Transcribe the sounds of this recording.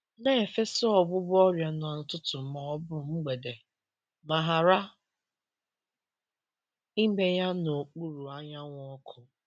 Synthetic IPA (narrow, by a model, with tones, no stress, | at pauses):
ne˦e˨fe˦so˦ɔ˨ɡ͡bʊ˦bɔ˦ɾja˨nʊ˨a˨nʊ˨tʊ˦tʊ˨ma˨ɔ˦bʊ˦ŋ͡m̩˦ɡ͡be˨de˨ | ma˨ɦa˨ɾa˦ | i˦e˦ja˦no˨k͡pu˦ɾu˨a˦ɲa˦ŋʷ˦ɔ˦kʰʊ˨